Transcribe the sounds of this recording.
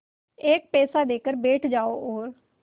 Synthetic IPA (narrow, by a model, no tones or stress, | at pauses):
ek̚pɛːsaːd̪eːkəɾbeːʈʰd͡ʒaːoːoːɾ